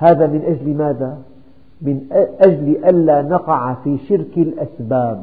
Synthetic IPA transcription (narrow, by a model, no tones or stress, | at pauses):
haːðamɪnʔad͡ʒlimaːða | mɪnʔad͡ʒlʔanːaːnɑqɑʕfiːʃɪɾkalʔasbaːb